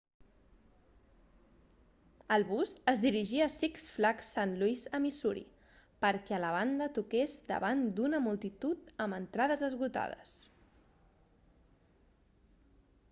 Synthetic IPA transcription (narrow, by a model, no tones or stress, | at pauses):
əlˠβuzəzðiɾiʒiəsiksflaksanluizəmisuɾḭ | pəɾkɛələβ̞and̪ət̪ukezd̪ə̰βand̪unəmulˠt̪it̪ut̪əmənt̪ɾað̞əzəzɣut̪a̰ð̞ə̰s